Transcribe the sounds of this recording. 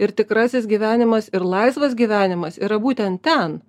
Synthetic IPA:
ɪɾt̪ʲɪkɾɑːsʲɪsɡʲiːʋʲæːnʲɪmɐsɪɾlˠɐɪsʋɐs̬ɡʲiːʋʲæːnʲɪmɐsiːɾɐbuːt̪ʲɛnt̪̚t̪ʲɛn

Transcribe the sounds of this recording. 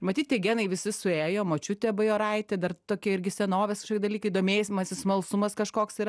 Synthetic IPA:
mɐt̪ʲiːt̪̚ʲtʲeɡʲænɐɪʋʲɪsʲɪsʊeːjoːmoːt͡ʃʲʊt̪ʲɛbɐjoːɾɐɪt̪ʲɛd̪ɐrt̪oːkʲɛɪɾʲɡʲɪsʲɛnoːʋʲeskɐʃoːkʲːdɐlʲiːkɐɪiːd̪oːmʲeːsʲɪmɐsʲɪsmɐlˠsʊmɐskɐʃkoːksiɾ

